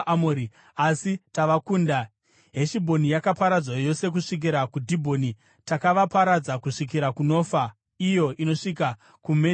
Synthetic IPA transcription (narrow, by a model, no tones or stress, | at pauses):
moɾi | asitaʋakuːnda | ɦe̞ʃibʱo̞nijakapaɾad͡zwajo̞se̞k̬uʂik̬iɾakudʱibʱo̞ni | takaʋapaɾad͡zakuʂik̬iɾakuno̞ːfa | ijo̞ʔino̞ʂika | kume